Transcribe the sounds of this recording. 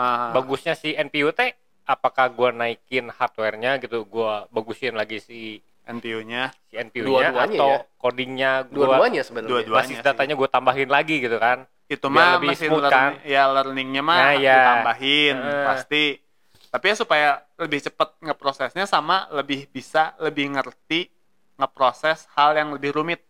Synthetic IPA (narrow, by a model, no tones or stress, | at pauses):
əbaɡusɲasiɛnpiut̪ɛ | apakahɡuanaikɪnhart̪̚wɛrɲaɡit̪uɡuabaɡusɪnlaɡisi | ɛnpiuɲasiɛnpiuuaɲaaɲt̪awkodiŋɲaɡduuaaaɲasəbənduaduaaɪdatt̪aɲaɡuat̪ambaɦɪnlaɡiɡit̪ukan | ɡ̥it̪umamiasɪmuləkajalərnɪŋɲamaajat̪ambaɦɪnpast̪i | t̪apiasupaja | ləbɪht͡ʃəpət̪̚ŋəpɾosɛsɲasamaləbɪhbisaləbɪhŋərt̪i | ŋəpɾosɛshaljaŋləbɪhɾumɪt̪̚